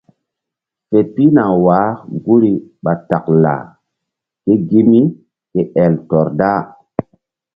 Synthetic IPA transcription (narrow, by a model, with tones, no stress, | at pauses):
fe˨pi˦na˨wa˨˦ɡu˦ɾi˨ɓa˨ta˨kla̰˨ | ke˦ɡi˦mi˦ | ke˦ʔɛ˨ltɔ˨ɾda˦